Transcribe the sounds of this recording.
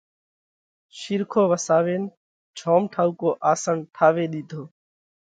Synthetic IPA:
ʃɪɾkʰoːʋəsaːʋeːn | t͡ʃʰoːmʈʰaːuːkoːʔaːsəɳʈʰaːʋeːɗiːd̪ʱoː

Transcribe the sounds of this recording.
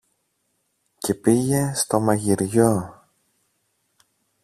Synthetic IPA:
ce̞piʝe̞st̪o̞mɐʝiɾʝo̞

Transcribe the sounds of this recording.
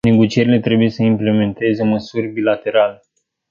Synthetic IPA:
ne̞ɡo̞t͡ʃie̞ɾile̞t̪ɾe̞buje̞səimple̞me̞nt̪e̞ze̞məsurʲbilat̪e̞ɾale

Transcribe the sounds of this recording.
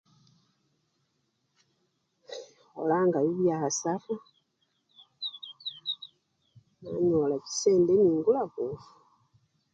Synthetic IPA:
olaːŋɡaβiβjaasafa | na̰ɲolaci̥seːndeniːŋɡulakufu

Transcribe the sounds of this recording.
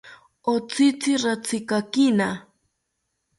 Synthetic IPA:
ot͡sɪt͡sɪɾat͡sɪkakɪna

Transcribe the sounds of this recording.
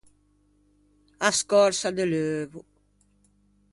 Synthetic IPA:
askɔɾsad̪əløːvu

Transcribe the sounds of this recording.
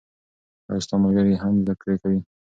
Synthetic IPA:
a̰ɪst̪ɑmaɡaɾjeɦamzakɽekawi

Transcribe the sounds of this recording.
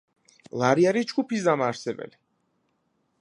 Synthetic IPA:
lˠaɾiaɾid͡ʒɡupʰisd̪amaːɾsɛbɛ̰li

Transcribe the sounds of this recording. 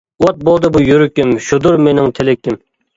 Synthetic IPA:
wɔt̪̚bolˠd̪ɨbujyɾykʲːimʃud̪uɾmenɪŋt̪ʰelɪkʲːɪm

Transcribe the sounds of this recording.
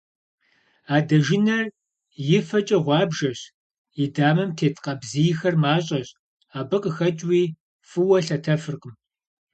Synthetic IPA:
aːdɐʒɪnɐr | jɪfɐt͡ʃʼɐʁʷɑːbʒɐɕ | jɪdaːmɐmtʰeːtʰʼqɐbzijxɐrmaːɕʼɐɕ | aːbɨqʼəxɐt͡ʃʼwiː | fɨwɐɬɐtʰɐfɨrqʼəm

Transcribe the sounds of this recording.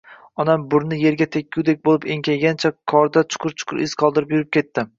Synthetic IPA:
ɒnambʊɾnɪje̞ɾɡʲat̪ʰekʲːuwd̪ek̚ʲbolˠɪpe̞ŋkʲʰajɡʲant͡ʃʰakʰɒɾd̪at͡ʃʰʊ̥qʰʊɾt͡ʃʰʊ̥qʰʊɾɪz̥qʰɒlˠd̪ɪɾɪpjʊɾɪp̚kʲe̞t̪ːɪ

